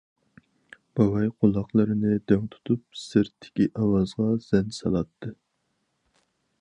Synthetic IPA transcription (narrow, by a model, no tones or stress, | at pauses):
b̥ɑwɑjqʰolˠɑχlˠɨɾɨnɪd̪øŋt̪ʰu̥t̪ʰup̚sɨɾt̪ʰːɪ̥kʲiʔɑwɑzʁɑz̥ɛnsɑ̰lˠɑt̪ʰːɨ